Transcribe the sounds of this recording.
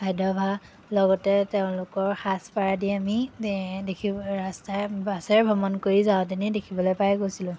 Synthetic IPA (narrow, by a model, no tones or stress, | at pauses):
bʰʱajdʱɔbʱa | lɔɡɔtɛteʊ̃lʊkɔɹxaspaɹadiamidekʰiɹastabasɛɹbʱɔmɔnkoɹizaʊ̃tinɛdekʰibɔlojpajɡojsilʊ̃